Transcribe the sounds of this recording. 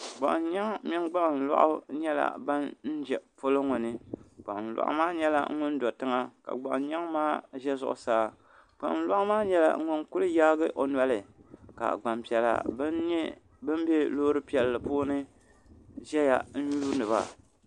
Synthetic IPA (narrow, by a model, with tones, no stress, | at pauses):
ɡ͡ba̰˨ʔn˦ɲa˦ŋmi˦ŋɡ͡ba˦ŋ˨n̩˨la̰˦ʔʊ̰˦ɲɛ˦la̰˨ba˦nn̩˦d͡ʒɛ˨po˦lo˦ŋʊ˨nɨ˦ɡ͡ba̰˨ʔn̩˨la̰˨ʔʊ̰˦maː˦ɲɛ˦la̰˦ŋ˦ŋʊ˦n˦dɔ˨tɨ˦ŋa˦ka̰˨ɡ͡ba̰˨ʔn˦ɲa˦ŋmaː˦ʒɛ˦zʊ̰˨ʔʊ̰˨saː˦ | ɡ͡ba̰˨ʔn˨la˦ʔʊ˦maː˦ɲɛ˦la̰˨ŋ˦ŋʊ˦nkʊ˦lɨ˦jaː˦ɡɨ˦ʔo˨n˨a˦lɨ˨ka̰˨ɡ͡ba˨mpi˨ɛ˨la̰˨b | bɨ˦m˦bɛ˦lo˦ɾɨ˦pi˨ɛ˨lːɨ˨poː˦nɨ˦ | ʒɛ˦ja̰˨n̩˦juː˦nɨ˨βa̰˨